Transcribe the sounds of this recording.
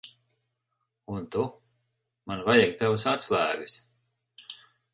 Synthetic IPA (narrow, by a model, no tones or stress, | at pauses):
unt̪u | manvajaɡ̚t̪avusat̪slˠæːɡis